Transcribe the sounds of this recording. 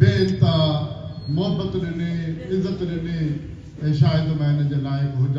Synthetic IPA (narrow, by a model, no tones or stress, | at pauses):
beɪnt̪a | moɦəbət̪lɪneɪzːət̪lenẽ | ɛ̃ʃaːɪd̪mẽɪnəd͡ʑeːlaːɪkɦʊd͡ʑa